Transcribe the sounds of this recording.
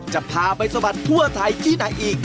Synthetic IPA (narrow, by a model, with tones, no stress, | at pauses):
t͡ɕa˨˩ʔpʰaː˧pa˧jsa˧ba˨˩t̪ʰːu˥˩ɐt̪ʰa˧jt̪ʰiː˥˩na˧jʔiː˨˩k̚